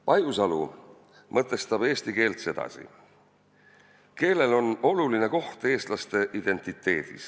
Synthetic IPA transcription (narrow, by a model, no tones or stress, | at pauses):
pɑjusɑlu | mɤt̪ːˑe̞st̪ɑb̥e̞ːst̪ike̞ːlt̪se̞d̪̥ɑ̰sḭ | ke̞ːle̞lo̞no̞luline̞ko̞ht̪e̞ːst̪lɑst̪e̞ʔid̪̥e̞nʲt̪ːˑit̪ːˑe̞ːd̪̥ḭs